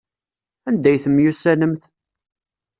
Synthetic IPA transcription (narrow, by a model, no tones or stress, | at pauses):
ænd̪æjθəmːjusːænəmθ